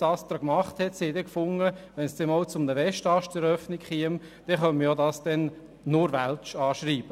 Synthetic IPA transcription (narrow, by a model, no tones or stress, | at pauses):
ɑːst̪ɾɔkmɑχthɛt̪siɛd̪ɛkfʊŋːəʋɛnsd̥ɛnɔʊt͡sʊmnəʋɛʃtɑʃtɛɾœfnikχiəm | d̥ɛχœnməjodɑsd̥ɛn | nʊɾʋælt͡ʃɑːʃriːb̥ə